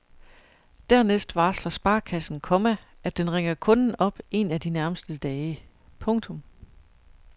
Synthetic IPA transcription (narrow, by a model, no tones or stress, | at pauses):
d̥æɐ̰nesd̥ʋɑ̈ːslɐsb̥ɑ̈ːkʰæsn̩kʰɒ̽mæ | ʔæd̥enʁeŋ̰ɐkʰɔ̽nn̩ɒ̽b̥e̝næd̥inæɐməsd̥əd̥ɛːɪə | pʰɔ̽ŋt͡sʰɔ̽m